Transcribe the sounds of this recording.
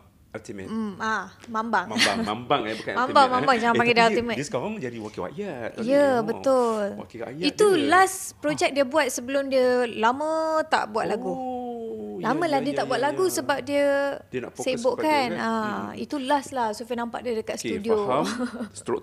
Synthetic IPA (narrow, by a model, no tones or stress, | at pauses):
t̪im̩amãmbaŋambaŋəamãmbaŋmãmbaŋd͡ʒaŋãpaŋɡɛdaalt̪imɛ̃nsaaŋd͡ʒadiwakiwa̰jatijəbət̪ʊla̰kiajit̪ulas | pɾod͡ʒɛk̚diəbuat̪̚səbəlʊmdiəlamə̃t̪a̰ʔbuwat̪ʔ̪laɡu | lamə̃lahdiət̪aʔbuat̪ʔ̪laɡusəbap̚diədnaseboʔkanaḭt̪ulaslahsufinampa̰ʔdiədəkat̪st̪udio | st̪ɾo